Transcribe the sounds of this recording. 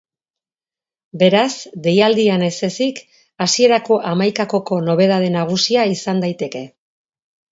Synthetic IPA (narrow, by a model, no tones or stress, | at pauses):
be̞ɾasd̪e̞jald̪iane̞se̞sik | asie̞ɾako̞ʔamajkako̞ko̞no̞β̞e̞ð̞að̞e̞naɣ̞usiaisand̪ajt̪e̞ke̞